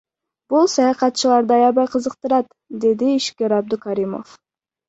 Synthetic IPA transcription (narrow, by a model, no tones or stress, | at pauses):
b̥usɑjɑqɑt̪̚t͡ʃʰilˠɑɾd̪ɑjɑbɑɾqʰəzəqt̪ɨɾɑt̪ | d̪ed̪ɪiʃkʲiɾɑb̚d̪ʊkʰɑɾimo̰f